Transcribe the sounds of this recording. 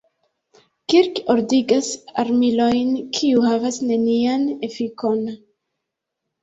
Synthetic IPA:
kiɾkoɾdiɡasaɾmilo̞jnkʰiuhavasne̞niane̞fiko̞n

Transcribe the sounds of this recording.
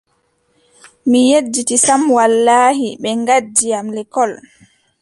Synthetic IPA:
mijed͡ʒːitisamwalːaːhiɓɛŋɡad͡ʒːijamlɛkɔl

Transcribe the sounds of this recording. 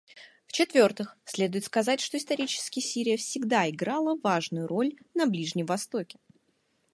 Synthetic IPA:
ft͡ɕɪt̪vʲo̞rt̪ɨxsʲlʲe̞d̪ʊjɪt̪skɐzatʲʂt̪oɪst̪ɐɾʲit͡ɕɪ̥skʲɪjsʲiɾʲɪjəfsʲɪɡd̪aɪɡɾalˠəvaʐnʊjʊɾo̞lʲnɐblʲiʐnʲɪmvɐst̪o̞kʲɪ̥

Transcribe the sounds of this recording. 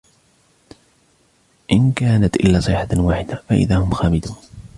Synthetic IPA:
ʔɪnkaːnat̪ʔɪ̰lːaːsˤɨħawaːħɪd̪afaʔɪ̰ðaːhʊmxaːmɪd̪uːn

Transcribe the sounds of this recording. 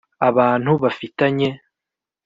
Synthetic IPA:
aβaːn̥huβafitaɲe̞

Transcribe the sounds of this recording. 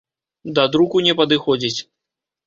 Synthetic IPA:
d̪ɐd̪ɾukunʲɛpɐd̪ɨxɔd͡zʲit͡sʲ

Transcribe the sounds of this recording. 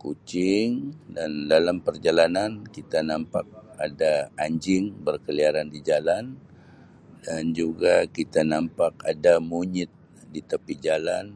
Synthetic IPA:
kut͡ʃɪŋdandalampərd͡ʒalanankit̪anampak̚adaaɲd͡ʒɪŋbərkəliaɾandid͡ʒalan | dand͡ʒuɡakit̪anampak̚adamuɲɪt̪̚ | dit̪əpid͡ʒalan

